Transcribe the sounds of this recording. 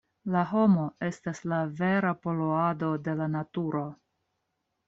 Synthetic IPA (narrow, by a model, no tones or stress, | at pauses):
laɦo̞mo̞e̞staslave̞ɾapo̞loado̞de̞lanatuɾo̞